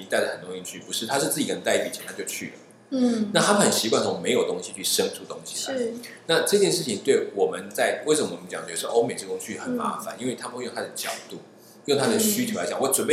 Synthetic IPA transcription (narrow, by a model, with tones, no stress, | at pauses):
i˧˥t̪a˥˩ɪd̪ə˩ə˨˩nɾʊ˥ŋi˥˧t͡ɕʰy˥˩pu˧˥ʂɻ̩˥˩t̪ʰa˥ʂɻ̩˥˧t͡s̩˥˩t͡ɕi˨˩kə˥˧t̪a˥˧ɪpi˨˩t͡ɕʰjɛ˧˦nt̪ʰa˥t͡ɕjo˥˧ʊt͡ɕʰy̰˥˩lə̰˩˥˩ | na˥˩t̪ʰa˥˨˩xə˨˩nɕi˧˥kwa˥˩nt͡sʰo˧˥me˧˥ɪjo˨˩ʊt̪o˥ŋɕi˨˦t͡ɕʰy˥˩ʂə˥ŋʈ͡ʂʰu˥˩t̪o˥ŋɕi̥˨la̰˦na˥˨˧ʈ͡ʂɤ˥˧t͡ɕjɛ˥˧nʂɻ̩˥˩t͡ɕʰi˧ŋt̪we˥˩ɪwɔ˨˩mə˦nt͡sa˥˩ɪwe˥˩ɪʂə˨mə˦wmə˦nt͡ɕɑ̰˨˩ŋt͡ɕʰɛ˧ə˨ʂɻ̩˥˩ʔo˥ʊme˨˩ɪʈ͡ʂə˥˩ʊ˥ŋt͡ɕʰy˥˩xə˨˩nma̰˧˥˦fa̰˨˦ni˥nwe˥˩ɪt̪ʰa˥pjo˥˨ŋt̪ʰa˥d̪ə˨t͡ɕjɑ˨˩ʊt̪u˥˩ | jo˥˩ŋt̪ʰa˥d̪ə˨ɕy˥t͡ɕʰjo˧˥ʊla˧ɪt͡ɕa˨˩wɔ˧˩ʈ͡ʂwə˨˩npe˥˩